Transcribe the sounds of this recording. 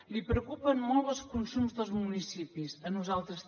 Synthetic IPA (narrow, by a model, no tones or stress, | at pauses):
lipɾəukupənmɔlˠβəlˠskunsumzðəlˠzmunisipisənuzalˠt̪ɾəs